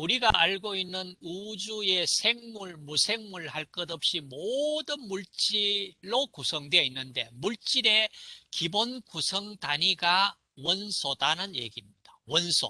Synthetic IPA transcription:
uɾiɡaʔaɭɡoinːɯnud͡ʑue̞sʰe̞ŋmuɭmusʰe̞ŋmuɭhaɭk͈ʌdʌp̚ɕ͈imodɯnmuɭt͡ɕ͈iɾːokusʰʌŋdwe̞inːɯnde̞muɭt͡ɕ͈iɾe̞kibonkusʰʌŋtaɲiɡa | wʌnsʰodanɯnje̞̰ɡimɲid̥awʌnsʰo̰

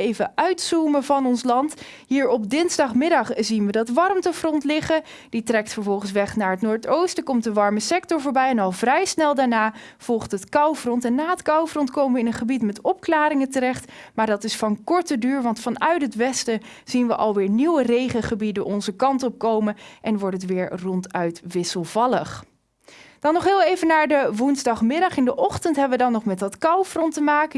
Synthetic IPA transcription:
ejvəʔœɥtsuməvɑnɔnslɑnt | ɦiːɹɔpdɪnzdɑχmɪdɑχzinʋədɑtʋɑrmtəfrɔntlɪχə | ditrɛk̚tfəɹvɔlˠχən̩sʋɛχnaːɹɦətnoːɹtowstəkɔmtdəʋɑɹməsɛk̚tɔɹvoːɹbɛjɛnɑlˠvrɛjsnɛlˠdaːɹnaːv̥ɔlˠχtɦətkɑwvrɔntɛnːaːətkɑwfrɔntkowməʋəɪnənχəbitmɛtɔp̚klaːɾɪŋətərɛχtmaːɹdɑtɪsfɑnkɔɹtədyːɹʋɑntfɑnœɥtɦətʋɛstə | z̥inʋəʔɑlˠʋɪːɹniwərejχəχəbidənʔɔnzəkɑntɔp̚kowmənʔɛnʋɔɹtətʋɪːɹrɔntœɥtʋɪsəlˠvɑləχ | d̥ɑnːɔχɦɪːlˠejvənaːɹdəʋunzdɑχmɪdɑχɪndəʔɔχtəntɦɛbəʋədɑnːɔχmɛtdɑtkɑwfrɔntəmaːkə

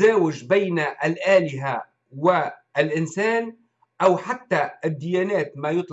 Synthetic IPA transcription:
aːwɪd͡ʒbajnʔalʔaːlɪɦa | wɪʔlʔɪnsaːn | ʔawħat̪ːaɪd̪ːɪjaːnaːt̪majʊt̪ˤ

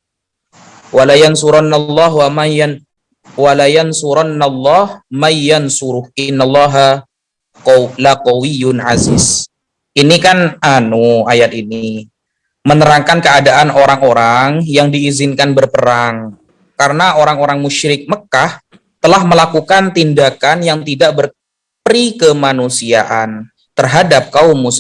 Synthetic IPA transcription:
walajansuɾanalˤːɑɦwa | walajansuɾanːalˤːɑhmajːansuɾʊhɪnːalːɑɦa | lakowijʊnʕazis | inikananuajat̪̚ini | mənəɾaŋkankəadaʔanoɾaŋoɾaŋjaŋdiːzɪnkanbərpəɾaŋ | kaɾənaʔoɾaŋoɾaŋmuʃɾɪk̚məkah | t̪əlahməlakukant̪indakanjaŋt̪idaʔbər | pəɾikəmanusia̰ʔan | t̪ərɦadap̚kaʊmːus

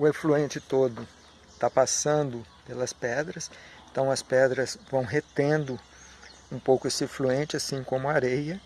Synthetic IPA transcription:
ʊefluẽnt͡ʃɪt̪od̪ʊ | t̪apasɐ̃nd̪ʊpelɐspɛd̪ɾɐsẽnt̪ɐ̃w̃ɐspɛd̪ɾɐzvɐ̃w̃ɦet̪ẽnd̪ʊ | ũpowkʊesɪefluẽnt͡ʃɪasĩkõmʊaɾejɐ

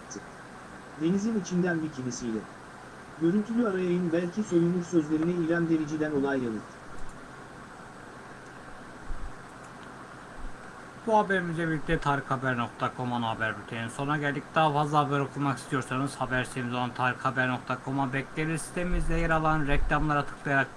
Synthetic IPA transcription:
d̪enizinit͡ʃʰind̪ænbicʰimisijlʲɛ | ɟø̞ɾynt̪ʰylʲyaɾajajɯnbælʲcʰiso̞junˠuɾsø̞zlʲe̞ɾinɛilʲænd̪e̞ɾid͡ʒid̪æno̞lˠajːalˠɯt̪ | b̥uhabæɾimizɛbilʲic̚ʲt̪ʰɛt̪ʰaːɾikhabæɾno̞k̚t̪ʰakʰo̞manɦabæɾbyt̪ʰejinso̞nɾaɟælʲd̪ic̚d̪aːfazlˠahabæɾo̞kʰulˠmaki̥st̪ʰijo̞ɾsanɯz̥habæɾst̪ʰemizolˠant̪ʰaːɾikhabæɾno̞k̚t̪ʰakʰo̞mabɛcʲlʲelʲisi̥st̪ʰemimizlʲɛjaɾalˠanɾɛclʲamlˠaɾat̪ʰɯ̥kʰlˠajaɾak̚

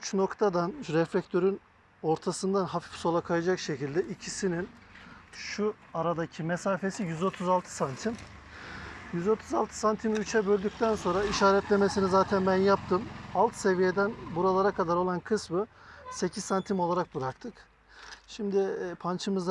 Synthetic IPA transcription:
yt͡ʃno̞kt̪ʰad̪anɾɛflʲɛc̚t̪ʰø̞ɾyn | o̞ɾt̪ʰasɯnd̪anɦafi̥fso̞lˠakʰajad͡ʒakʃe̞cilʲd̪ɛʔicʰisinin | ʃu | aɾad̪acʰimesaːfe̞sijyzo̞t̪ʰuzalˠt̪ʰɯ̥sant̪ʰim | jyzo̞t̪ʰuzalˠt̪ʰɯ̥sant̪ʰimyt͡ʃʰɛbø̞lʲd̪yc̚t̪ʰænso̞nɾaiʃaːɾɛt̪lʲeme̞sinizaːt̪ʰænbænjap̚t̪ʰɯmalˠt̪se̞vijed̪ænbuɾalˠaɾakʰad̪aɾo̞lˠankʰɯsmɯse̞cʰissant̪ʰimo̞lˠaɾak̚bɯɾakt̪ʰɯk | ʃimd̪ɪpʰant͡ʃʰɯmɯzd̪

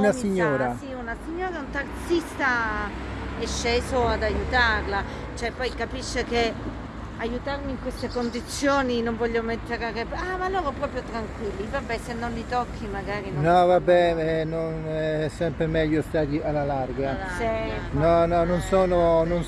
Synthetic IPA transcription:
nasiɲːoːɾasiunasiɲːoːɾaunt̪art̪sist̪a | ɛʃːeːzoad̪ajut̪arla | t͡ʃoɛpːɔjkapiʃːeke | ajut̪armiŋkwest̪ekond̪it̪sːjoːninoɱvɔʎːomet̪ːeɾarepamalːoːɾopɾɔːpɾjot̪ɾaŋkwilːivabːɛsenːonlit̪ɔkʰːimaɡaːɾinnɔvabːɛɛnonɛɛsɛmpɾemɛʎːost̪aːt̪̬ialːalarɡalainɔnɔnonsoːnonon

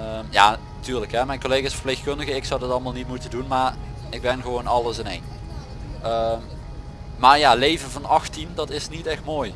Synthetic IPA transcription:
əmja̰ːntyːɹləkɦɛmɛjnkolejɣaɪsfərplexkɵndəɣəɪksɔwdɑtɑlˠmaːlˠnit̚mutəndunmaːɹ | ɪɡ̚bɛnxəʋownɑləsɪnejn | əm | maːɹjaːlejvənvɑnɑxtindɑtɪsnitɛxtmoːj

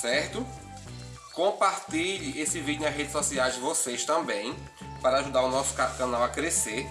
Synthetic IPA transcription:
sɛɾt̪ʊ | kõpaɾt̪iʎesɪvid͡ʒʊnɐzɦed͡ʒ̪ɪsɔsiajzd͡ʒɪvosejʃt̪ɐ̃mbẽj̃ | paɾɐaʒud̪aɾunɔsʊ̥kakɐ̃nawakɾese

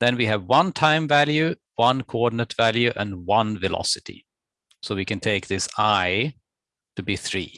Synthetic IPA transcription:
ðɨ̃nwiɨvwʌ̃ntʰãɪ̃ɱvælˠjʉ | wʌ̃nkʰoɔdⁿn̩ɨtv̥ælˠjʉʔə̃nwʌ̃nvɨlɑ̰sɨtḭ | soʊwikɨ̃ntʰeɪk̚ðɪsaɪ | tɨbiθɹḭː

